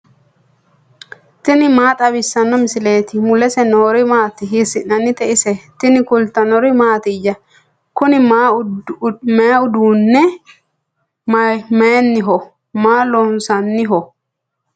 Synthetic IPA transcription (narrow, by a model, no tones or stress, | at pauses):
t̪ɪnɪmaːt̪ʼɐβɪsːɐnːɔmɪsɪle̞ːt̪ɪmʊlɛsɛnoːɾɪmaːt̪ɪɦɪsɪʔːɐnːɪt̪ɛɪsɛt̪ɪnɪkʊlt̪ɐnɔɾɪmaːt̪ɪd͡ʒɐ | kʊnɪma | meːʊd̪uːnːɛ | menːɪɦɔ | maːlɔnsɐnːɪɦɔ